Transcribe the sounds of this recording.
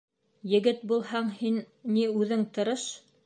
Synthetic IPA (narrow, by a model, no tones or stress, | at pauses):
jɘ̆ɡɘt̪̚bulˠhɑɴhin | niʉðɘŋt̪ɤ̆ɾɤʃ